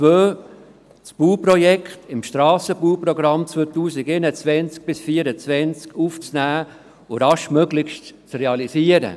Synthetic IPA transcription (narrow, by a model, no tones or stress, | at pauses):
t͡svøː | t͡sb̥uːprɔjɛkχtɪmʃtɾɑːsəbuːpɾoɡɾɑmt͡svøːt̪uːsɪɡenət͡svɛnt͡sk̚b̥ɪsfiːəɾət͡svɛnt͡skuft͡snæː | ʊɾɑʃmœɡlɪçʃtt͡sreɑliziəɾə̰